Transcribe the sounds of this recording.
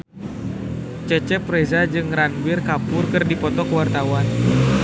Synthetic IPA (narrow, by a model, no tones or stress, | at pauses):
t͡ʃət͡ʃɛpɾɛzad͡ʒɨŋranbirkapʊrkɨrdipɔt̪ɔkəwart̪awan